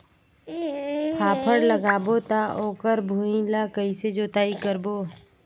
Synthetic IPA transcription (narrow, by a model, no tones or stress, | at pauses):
pʰaːpʰəɽləɡaːbot̪aʔoːkəɾbʱuːĩlakəised͡ʒoːt̪aːikəɾboː